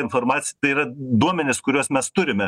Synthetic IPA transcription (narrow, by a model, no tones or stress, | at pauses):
ɪnfoːɾmɑːt̪ʲɪjt̪ɐɪirɐd̪uɔmʲɛnʲɪskʊɾʲuɔsmʲɛst̪ʊɾʲɪmʲɛ